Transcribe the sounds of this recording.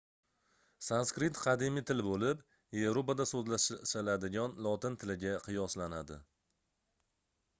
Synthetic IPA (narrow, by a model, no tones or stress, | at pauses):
sanskɾɪt̪qʰɑd̪imɪt̪ʰɪlbolɪp | je̞vɾopad̪asozlaʃalad̪ɪɡʲanlˠɒt̪ɪnt̪ʰɪlɪɡʲaqʰɨjɒslanad̪ɪ̰